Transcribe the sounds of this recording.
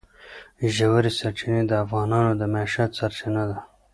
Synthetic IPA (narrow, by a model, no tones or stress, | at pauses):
ʒawaɾisaɾt͡ʃined̪əːfɣɑːnɑnod̪əmaʃat̪saɾt͡ʃinad̪a